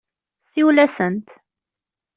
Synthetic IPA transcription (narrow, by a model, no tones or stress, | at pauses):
θiwlæsənt̪